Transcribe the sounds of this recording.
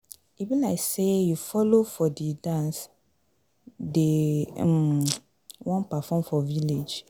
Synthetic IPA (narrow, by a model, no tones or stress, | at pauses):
ivĩnaɪsejufɔlofɔdidãns | de | wʔɔ̃npafɔ̃mfɔviled͡ʒ